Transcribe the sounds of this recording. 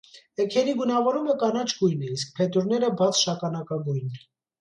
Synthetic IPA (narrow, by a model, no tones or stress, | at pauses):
ɛkʰɛɾibunɑvɔɾuməkɑnɑt͡ʃʰɡujnɛisk̚pʰɛt̪uɾnɛɾəbɑt͡sʰʃɑkɑnɑkɑɡujnɛ